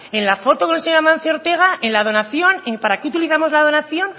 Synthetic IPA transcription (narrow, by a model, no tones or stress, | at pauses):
e̞nlafo̞t̪okonelseɲoɾamãn̟θjeo̞ɾt̪e̞ɣ̞aʔenlað̞o̞naθjo̞neŋpaɾakeut̪iliθamo̞zlað̞o̞naθjo̞n